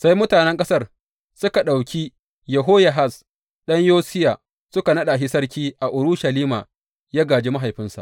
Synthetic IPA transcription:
sa˦jmʊ˦taː˨nɛ˦ŋkʼɐ˦sɐ˦r | sʊ˦ka˨ɗa˨wkʲi˦ | jɐ˨ɦoː˦ja˨ɦa˦s | ɗɐ˦ɲjoː˦sɪ˦ja˨ | sʊ˦ka˨nɐ˦ɗa˨ɦi˦sɐ˦rkʲiː˦ʔa˨ʔʊ˨ɾʊ˦ʃa˨liː˦ma̰ː˨ | jaː˦ɡaː˨d͡ʒeː˦ma˦ɦa˨jɸɪ˦nsa̰˨

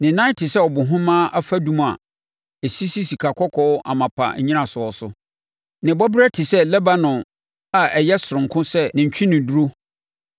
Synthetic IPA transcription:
nɪ̃˨nã˦tʰɪ˨sɛ˦ɔ˨bʊ̃˨ɦʊ̃˦mãː˦ʔa˦fa˦dũ˦m˨a̰˨ | e˨si˦si˦si˨kʰa˨kʰɔ˦kʰɔ˦ʔa̰˨mã˨pʰa̰˨˦ɲĩ˦nã˨sʊ˨ɔ˨sʊ˦ | nɪ̃˨bɔ˦bɪ˦ɾɛ˦tʰɪ˨sɛ˦lɛ˦ba˦nʊ̃˨ | a˨ʔɛ˨jɛ˦sʊ˨ɾʊ̃˨ŋ̩˨kʰʊ̃˦sɛ˦nɪ̃˨ɲ̩˨t͡ɕʰᶣĩ˦nɪ̃˨du˦ɾo˦

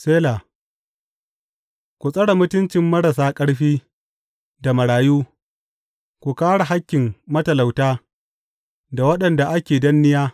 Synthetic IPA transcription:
seː˦laː˨ | kʷu˨sʼɐ˦ɽa˨mʊ˦tʊ˦nt͡ʃɪ˨mːɐ˦ɽɐ˨saː˦kʼɐ˦ɽɸiː˦ | da˨mɐ˨ɽaː˨juː˦ | kʷu˨kaː˦ɽa˨ɦa˦kʲːɪ˨ŋmɐ˦tɐ˨la˨wtaː˦ | da˨wɐ˦ɗɐ˨nda˨ʔa˦kʲeː˨dɐ˦nːɪ˦jaː˦

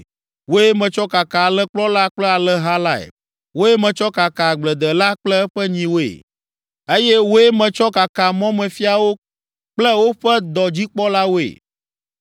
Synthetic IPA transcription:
wo˦e˦mɛ̃˨t͡ʃɔ˦ka˨ka˨a˨lɛ˦k͡plɔ˦la˦k͡plɛ˦a˨lɛ˦ɦa˦la˦ɛ̰˨ | wo˦e˦mɛ̃˨t͡ʃɔ˦ka˨ka˨ɡ͡blɛ˨d̪ɛ˨la˦k͡plɛ˦ɸɛ˦ɲĩ˨wo˦ḛ˨ | e˦jɛ˦wo˦e˦mɛ̃˨t͡ʃɔ˦ka˨ka˨mɔ̃˦mɛ̃˨fi˦a˨wo˦ | k͡plɛ˦wo˦ɸɛ˦d̪ɔ˨d͡ʑi˦k͡pɔ˦la˦wo˦ḛ˨

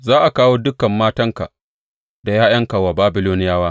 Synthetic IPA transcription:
zaː˦ʔa˨kaː˦woː˦dʊ˦kɐ˨mːaː˦tɐ˦ŋka˨ | da˨jaː˦jɐ˦ŋkɐ˨wa˨baː˦bɪ˦loː˦nɪ˦jaː˦waː˦

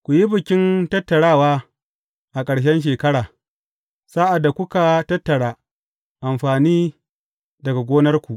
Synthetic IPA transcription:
kʷʊ˨ji˦bɪ˨kʲɪ˦ntɐ˦tːɐ˨ɽaː˦˨waː˦ | ʔa˨kʼɐ˨ɽʃ̬ɛ˦nʃ̬eː˨kɐ˦ɽaː˨ | saː˦ʔa˨dːa˨kʷʊ˦ka˨tɐ˦tːɐ˨ɽaː˨ | ʔa˨mɸaː˨niː˦ | dɐ˨ɡa˨ɡʷoː˦nɐ˦rkʷu˨ʔ

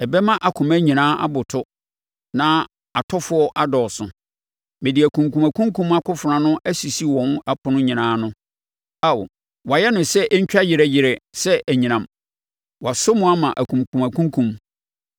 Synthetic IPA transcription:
ɛ˨bɛ˦mã˦ʔa˨kʰʊ̃˨mæ˦ɲĩ˨nãː˦ʔa̰˦bʊ˨tʰʊ˦ | nã˦ | a˨tʰɔ˦fʊ˦ɔ˦ʔa˦dɔː˨sʊ̰̃˨ | mɪ̃˨dɪ˨æ˨kʰũ˨ŋkũ˨mæ˨kʰũ˦ŋ˦kʰũ˦ma˦kʰʊ˦fʊ˨ɾã˨nʊ̃˦ʔæ˦si˨si˦wɔ̃˨n˦a˨pʰʊ̃˨nʊ̃˦ɲĩ˨nãː˨˦nʊ̃˦ | a˦˨w̰ | wa˨jɛ˦nʊ̃˨sɛ˦ʔɛ˦ɲ̩˦t͡ɕᶣa˦jɪ˨ɾɛ˦jɪ˨ɾɛ˨sɛ˦ʔæ˨ɲĩ˨nã˨m | wa˨so˦mũ˦a˦mã˨ʔæ˨kʰũ˨mkʰũ˨mæ˨kʰũ˦ŋ˦kʰũ˨m

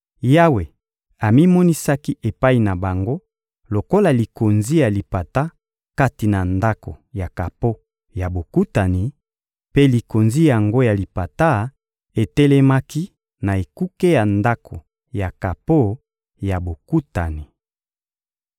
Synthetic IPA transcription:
ja˦we˨ | a˨mi˦mɔ˦ni˦sa˦ki˦e˨pa˦i˨na˨ba˨ŋɡo˦ | lo˨ko˦la˨li˨ko˨nzi˦ja˨li˨pa˨ta˦ | ka˦ti˨na˨nda˦ko̰˨ja˨ka˨po˦ | ja˨bo˨ku˦ta˨ni˨ | pe˦li˨ko˨nzi˦ja˨ŋɡo˦ja˨li˨pa˨ta˦ | e˨tɛ˦lɛ˦ma˦ki˦ | na˨e˨ku˦ke˦ja˨nda˦kʰo˨ | ja˨ka˨po˦ | ja˨bo˨ku˦ta˨ni˨

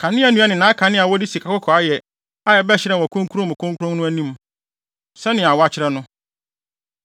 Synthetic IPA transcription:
kʰã˨nɪ̃˦æ˨nũ˦a˦nɪ̃˨nãː˨˦kʰã˨nɪ̃˦a˨wɔ˦di˦si˨kʰa˨kʊ˦kʰɔ˨a˦jɛ˨ | a˦jɛ˨bɛ˦ɕɪ˦ɾɛ˦˨ɔ˨kʰʊ̃˦ŋ˦kʰu˦ɾõ˦mʊ̃˨kʰʊ̃˦ŋkʰu˦ɾʊ̃˦ŋ˦nʊ̃˦æ˦nĩ˦m | sɛ˦nɪ̃˨a˨wɔ˦a˨t͡ɕʰɪ˦ɾɛ˦nʊ̃˦

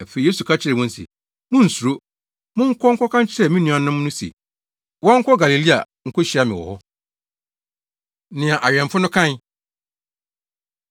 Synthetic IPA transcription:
æ˨fe˨i˨e˦su˨kʰa˦t͡ɕʰɪ˦ɾɛ˨wʊ̃˦n̩˦sḭ˨ | mʊ̃˦n̩˨su˨ɾo˦ | mʊ̃˦ŋ̩˦kʰɔ˦ŋ̩˦kʰɔ˦kʰã˦ɲ˦t͡ɕʰɪ˦ɾɛ˨mĩ˦nũ˨˦˨a˨nã˦m˦nʊ̃˦sḭ˨ | wɔ˦ŋ̩˦kʰɔ˦ɡa˨li˨li˦a̰˨ | ŋ̩˦kʰɔ˦ɕi˨˦a˦mɪ̃˨wɔ̰˨hɔ˦ | nɪ̃˨a˨ʔa˨ɥɛ̃˨m˨fʊ˦nʊ̃˦kʰã˦n˦

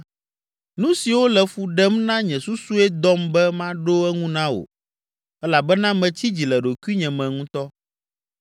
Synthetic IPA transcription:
nũ˦si˨wo˦lɛ˨fu˨ɖɛ˦mnã˦ɲɛ̃˨su˦su˦ɛ˦d̪ɔ˦mbɛ˦mã˦ɖo˦ɛ˦ŋũ˦nã˦wo̰˨ | ɛ˦la˨bɛ˦nã˦mɛ̃˨t͡ɕʰi˦d͡ʑi˨lɛ˨ɖo˨ku˦i˦ɲɛ̃˨mɛ̃˨ŋũ˦t̪ɔ˦

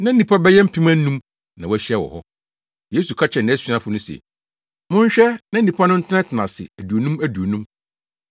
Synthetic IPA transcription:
nã˦n̩˦nĩ˨pʰa˦bɛ˦jɛ˦m̩˦pʰĩ˦mã˦n̩˦nũ˦m | nã˨wɔ˦ɕɛ˦˨wɔ̰˨hɔ˦ | je˦su˨kʰa˦t͡ɕʰɛ˨ñ˨æ˦si˦ã˦fʊ˨nʊ̃˦sɛ̰˨ | mʊ̃˦ɲ˦ɕᶣɛ˦nã˦n̩˦nĩ˨pʰa˦nʊ̃˦n̩˦tʰɪ˦ã˦tʰɪ˨nã˨sɪ̰˨æ˨du˨o˨nũ˦mæ˦du˨o˨nũ˦m

